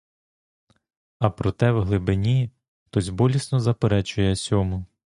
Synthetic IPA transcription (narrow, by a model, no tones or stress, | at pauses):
ɐpɾɔt̪ɛwɦlˠɪbɪnʲi | t̪ɔzʲbɔlʲisnɔzɐpeɾɛt͡ʃʊjɛsʲɔmʊ